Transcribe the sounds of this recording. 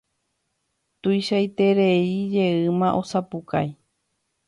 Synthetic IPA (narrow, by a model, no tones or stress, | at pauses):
t̪ujʃajt̪e̞ɾeid͡ʒe̞ɨmãʔo̞sapuka̰j